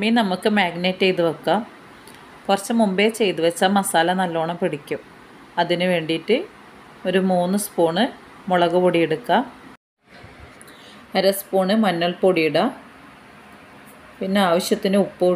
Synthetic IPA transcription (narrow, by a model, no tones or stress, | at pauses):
minɐmukːɨmaːɡneːtːejt̪uʋɐkːa | kurɐt͡ɕːɐmumbe̞ːt͡ɕe̞jt̪ɨʋɐt͡ɕːaːmɐsaːlɐnɐlːo̞ːɳɐpiɽikʲːum | ɐðinɨʋe̞ːɳɖiːtːɨ | o̞ɾumuːnːɨspoːɳɨ | moɭɐɣɐpoɽijeɽukːa | ɐɾɐspoːɳɨmɐnːɐɭpoɽijiɽɐ | pinːeaːʋɐɕjɐt̪ːinɨupːoː